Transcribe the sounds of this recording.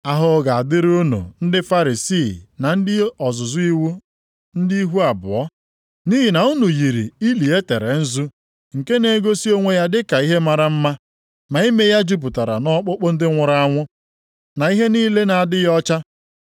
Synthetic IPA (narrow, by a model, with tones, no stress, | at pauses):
a˨ɦʊ˨˦ɡa˨a˨dɪ˦ɾu˦nṵ˨n̩˦dɪ˦fa˦ɾi˨si˦˨na˨n̩˦dɪ˦ɔ˨zʊ˨zʊ˦i˦wu˦ | n̩˦di˦i˦ɦu˦a˨bʊ̰˨ɔ˦ | ni˦ɦi˨na˨u˦nu˨ji˨ɾḭ˨i˦li˨e˦te˨ɾe˨n̩˦zu˦ | ŋ̩˨ke˦ne˦ɡo˦si˦o˦ŋʷe˦ja˦dɪ˦ka˨i˦ɦe˦ma˦ɾa˦m̩˦ma˦ | ma˨i˦me˦ja˦d͡ʒu˦p̬ʊ˨ta˨ɾa̰˨nɔ˦k͡pʊ˦k͡pʊ˦n̩˦dɪ˦ŋʷʊ˨ɾa˦a˦ŋʷʊ˦ | na˨i˦ɦe˦niː˦le˦na˨a˨dɪ˦jɔ˦t͡ʃa˦